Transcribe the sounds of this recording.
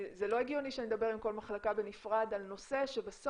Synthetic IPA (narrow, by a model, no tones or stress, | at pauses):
zelo̞eɡijoniʃened̪abe̞ʁimko̞lmaχlakabe̞nifʁad̪alno̞se̞ʃebaso